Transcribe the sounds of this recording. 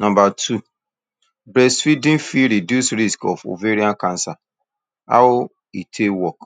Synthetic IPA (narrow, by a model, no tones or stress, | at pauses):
nãmbatʰu | bɾɛsfidĩnfiɾidjusɾiskɔfo̰veɾiãnkãnsa | a̰w | itʰewɔk